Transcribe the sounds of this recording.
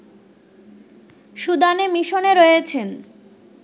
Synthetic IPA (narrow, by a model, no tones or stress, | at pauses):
ʃud̪anemiʃoneɾojet͡ɕʰen